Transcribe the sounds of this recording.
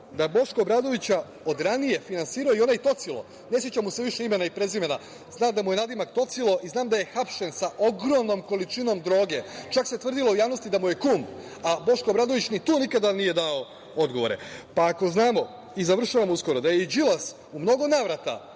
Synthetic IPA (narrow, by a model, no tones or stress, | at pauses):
d̪abo̞ʃko̞bɾad̪o̞ʋit͡ɕa | o̞d̪ɾanije̞finansiːɾaoio̞najit̪o̞t̪silˠo̞̰ | ne̞s̬je̞t͡ɕamuse̞ʋiʃe̞ime̞naipɾe̞zime̞na | znaːmd̪amuje̞nad̪imakt̪o̞t̪silˠo̞ʔiznaːmd̪aje̞xapʃe̞nsaʔo̞ɡɾo̞mno̞mko̞lit͡ʃino̞md̪ɾo̞ːɡe̞t͡ʃakse̞t̪ʋr̩d̪ilo̞ujaːʋno̞st̪id̪amuje̞kuːm | abo̞ʃko̞bɾaːd̪o̞ʋit͡ɕnit̪uːnikad̪anije̞d̪ao | o̞d̪ɡo̞ʋo̞ɾe̞̰paːko̞znaːmo̞ | izaʋr̩ʃaʋamusko̞ɾo̞d̪ajeid͡ʑilˠas | umno̞ɡo̞naːʋɾat̪a̰